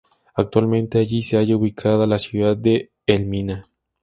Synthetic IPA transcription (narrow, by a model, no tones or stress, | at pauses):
ak̚t̪walmẽnt̪eaʝiseaʝauβikʰaðalasjuðad̪̚ːeː | lmina